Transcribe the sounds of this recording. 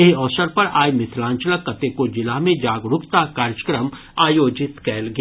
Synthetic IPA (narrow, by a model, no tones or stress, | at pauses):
eɦɔːsəɾpɐɾaːjmɪt̪ʰlãːnt͡ʃələkːɐt̪ekod͡ʒɪlaɦmẽd͡ʒaːɡɾʊpt̪akaːɾjəkɾəm | aːjoːd͡ʒɪt̪kɛːlɡɐ